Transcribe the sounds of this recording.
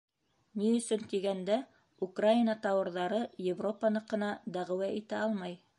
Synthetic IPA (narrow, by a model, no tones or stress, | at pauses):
niɵ̆sɵnt̪iɡænd̪æ | ukrajinɑt̪ɑwɤ̆ɾðɑɾɤjevro̞pɑnɤqɤ̆nɑd̪æʁɘ̆wæʔit̪æɑlˠmɑj